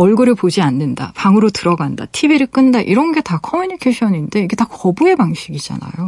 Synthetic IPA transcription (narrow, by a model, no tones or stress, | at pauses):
ʌɭɡuɾɯɭpod͡ʑianːenda̰paŋɯɾotɯɾʌɡanda̰tʰibiɾɯk͈ɯndaʔiɾʌnɡe̞takʰʌmjuɲikʰeɕʰʌninde̞iɡe̞takʌbue̞paŋɕʰiɡid͡ʑa̰na̰jo